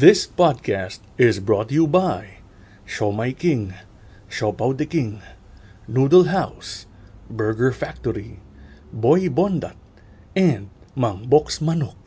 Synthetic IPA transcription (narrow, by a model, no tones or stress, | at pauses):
ðɪspad̪̚kʰæst̪ɪzbɹɔt̪jubaj | ʃomajkɪ̃ŋ | ʃopawd̪ɛkɪ̃ŋ | nuːd̪əlɦaws | bɛɹɡəɹfak̚t̪ɔɾibojbond̪a̰t̪̚ | ɛ̃nd̪̚ | mɐŋboksmɐnok̚